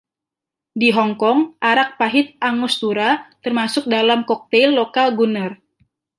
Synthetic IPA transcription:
diɦɔŋkɔŋʔaɾak̚paɦɪt̪̚ʔaŋʊst̪uɾat̪ərmasʊk̚dalamkɔk̚t̪ɛlːokalɡunər

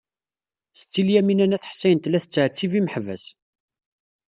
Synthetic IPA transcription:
sə̥t͡sːiljæminænæθħsːæjənt̪læθət͡sːʕt͡sːiviməħvæs

